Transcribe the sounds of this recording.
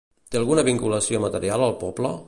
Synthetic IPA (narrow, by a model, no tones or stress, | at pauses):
t̪eəlˠɣunəβiŋkuləsiomət̪əɾialəlˠpɔblə